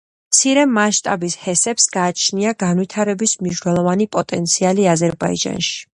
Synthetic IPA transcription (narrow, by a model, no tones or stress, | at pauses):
mt̪sʰiɾɛmaʃt̪ʼa̰bishɛsɛpsɡaːt͡ʃʰniaɡanvit̪ʰaɾɛbismniʃnɛlˠɔvanipʼɔt̪ʼɛnt̪sʰialiazɛɾbaḭd͡ʒa̰nʃi̥